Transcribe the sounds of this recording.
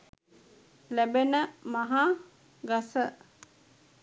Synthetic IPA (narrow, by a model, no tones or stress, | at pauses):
læbenəmaɦa | ɡasə